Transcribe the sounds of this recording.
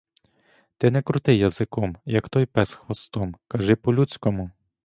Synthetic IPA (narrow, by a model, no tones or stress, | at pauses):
t̪ɛnɛkɾʊt̪ɪjɐzɪkɔmjɐkt̪ɔjpɛsxʋɐst̪ɔmkɐʒɪpɔlʲut͡sʲkɔmʊ